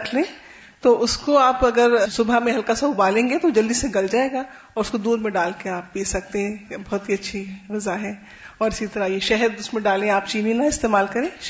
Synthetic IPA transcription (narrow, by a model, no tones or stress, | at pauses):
kʰlẽː | t̪oʔʊskoaːpɐɡəɾsʊbʱamẽɦɐlkasaʊbaːlẽːŋɡet̪od͡ʒɐld̪iseɡɐld͡ʒaːeːɡa | ɔːɾʊskod̪uːɾmẽɖaːlkeaːp̚biːsɐk̚t̪eɦɛ̃bɐɦʊt̪ɦiɐtːʃʰiʋɐzaɦɛː | ɔːɾɪsit̪ɐɾajeʃɛɦəɾʊsmẽɖaːlẽaːpt͡ʃiːninaɪst̪eːmaːlkɐɾẽː